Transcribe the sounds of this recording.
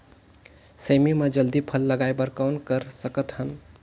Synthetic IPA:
səmimed͡ʒəld̪ipʰəlːəɡajbəɾkawnkəɾsəkət̪ɦən

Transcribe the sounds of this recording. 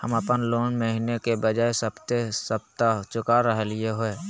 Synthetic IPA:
həməpənloːnməɦinekebəd͡ʒaːesəbt̪esəb̚t̪at͡ʃʊkaɾəɦelɪeɦoe

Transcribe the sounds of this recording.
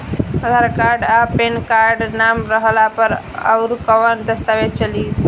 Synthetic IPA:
əd̪ʱaɾkaɾɖapenkaɾɖnamɾəɦlapəɾ | a̰wɾkəʋənd̪əst̪aʋet͡ʃəli

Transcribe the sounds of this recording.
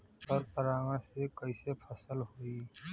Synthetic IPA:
pəɾpəɾaːŋəɽ̃sekɐisepʰɐsəlɦoiː

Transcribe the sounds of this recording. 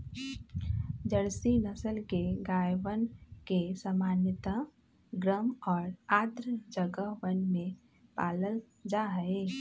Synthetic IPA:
d͡ʒəɽsinəsəlkeɡaːjʋənkesəmaːnjət̪a | ɡɾəmɔːɾaːd̪ɾəd͡ʒəɡəʋənmẽ | paːləl | d͡ʒaɦəe

